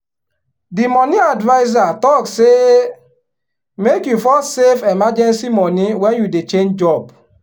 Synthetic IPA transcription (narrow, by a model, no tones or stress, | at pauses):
dimɔniadvaɪzatɔkse | mekjufɔsevemad͡ʒɛnsimɔniwɛnjudet͡ʃend͡ʒd͡ʒɔb